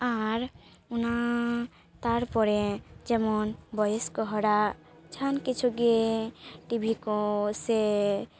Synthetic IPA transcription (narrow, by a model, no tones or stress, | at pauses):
aɾ | una | t̪aɾpɔɾed͡ʒɛmɔnbɔjeskɔɦɔɾa | t͡ʃʰankit͡ʃʰuɡe | ʈibʱikɔse